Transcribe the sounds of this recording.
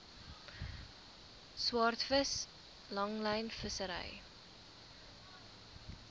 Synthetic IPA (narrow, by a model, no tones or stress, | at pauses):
swɑːrtfəs | lɐŋlɛjnfəsəɾɛ̰j